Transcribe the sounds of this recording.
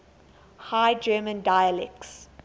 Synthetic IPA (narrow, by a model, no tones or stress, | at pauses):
haɪd͡ʒɜːmə̃ndajəlɛk̚s